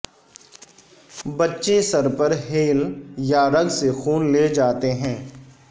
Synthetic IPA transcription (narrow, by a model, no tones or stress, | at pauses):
bɐtːʃesɐɾpəɾɦeːljaɾɐɡsexuːnleːd͡ʒaːt̪eɦɛ̃ː